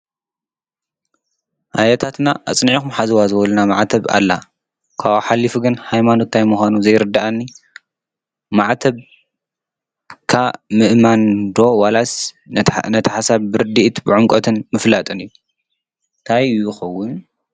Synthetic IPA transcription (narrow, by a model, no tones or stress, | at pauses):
ʔajɛt̪ʰat̪naʔa̰t͡sʼnʕikumħazɨwazɨwɔlɐnamaʕt̪ʰɐβa̰lːa̰ | kʰaβoħalːifuɡɨnhajmano̞t̪ʰːajmuxʷanuzɐjɾɨd̪ːaʔanːi | maʕt̪ʰɐβ | kʰamɨʔmand̪o̞walas | nɐt̪ʰɐħasaβbɨɾɨd̪iʔt̪bɨʕʊmkʼɔt̪ʰɨnmɨflat̪ʼɨnɨjːu | nt̪ʰajjɪxɐwːʊn